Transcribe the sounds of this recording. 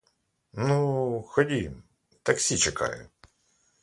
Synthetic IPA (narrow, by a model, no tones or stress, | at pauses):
nuxɔdʲi | t̪ɐksʲit͡ʃɛkɑ̰jʊ̰